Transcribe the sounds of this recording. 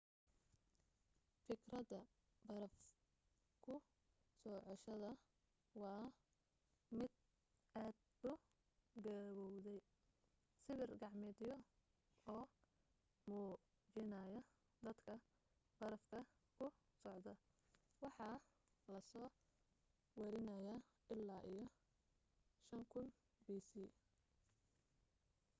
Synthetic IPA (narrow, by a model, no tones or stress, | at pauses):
fɪkrɐðɐ | bɐɾɐf | kʰʊ | sɔːʕɔʃɐðɐ | wɑː | mɪd̪̚ | aːd̪̚ | ʊ | ɡɐːβɔwðɛj | sɪβɪrɡɑʕmɪd̪jɔ | ɔː | muː | d͡ʒɪnɐjɐ | d̪ɐd̪kʰɐ | b̥ɐɾɐfkʰɐ | kʰʊ | sɔʕd̪ɐ | wɑħɑː | lɐsɔː | wɛɾɪnɐjaː | ɪlːaːʔijɔ | ʃɐŋkʰʊn | biːsiː